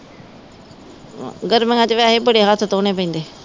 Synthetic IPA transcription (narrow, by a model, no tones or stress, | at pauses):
ɡəɾmẽŋãt͡ʃeʋeaɦebəɽeɦaːt̪ʰt̪oːneːpə̃ĩːnd̪eː